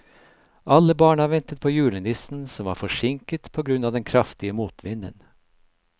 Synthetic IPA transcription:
ʔɑləbɑːɳɑʋɛnt̪ət̪̚pʰoːjʉːɭənɪsn̩sɔmʋɑ̰ːɾfɔʂɪŋkət̪pʰoːɡɾʉnɑːʋd̪ɛnkʰɾɑft̪ɪəmuːt̪ʰʋɪnə̰n

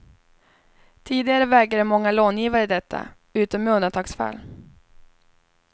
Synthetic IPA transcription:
t̪ʰiːd̪ɪɡaɾəvɛːɡɾad̪əmɔŋːaloːnjiːvaɾəd̪ɛt̪ʰːa̰ | ʉ̟ːt̪ɔmɛɵnant̪ʰɑːksfa̰l

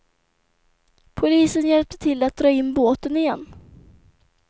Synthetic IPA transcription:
pʰʊliːsənjɛlp̚t̪ʰə̥t̪ʰɪlːat̪̚d̪ɾɑːɪnːboːt̪ənɪjɛnː

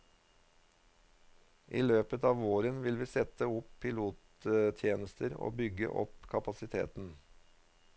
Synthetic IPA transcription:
ʔiːløːpət̪ɑːʋoːɾənʋɪlʋiːsɛt̪əʊppʰɪluːt̪ | t̪ʰjeːnəst̪ʰəɾo̰ːbʏɡə̰ʔɔ̰pkʰɑpɑsɪt̪ʰḛːt̪n̩

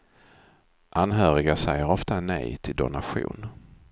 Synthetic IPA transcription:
ʔanɦœːɾɪɡasɛjəɾɔft̪anɛ̰jt̪ʰɪld̪ʊ̰naɧṵːn

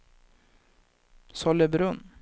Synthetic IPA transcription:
sɔləbɾɵn

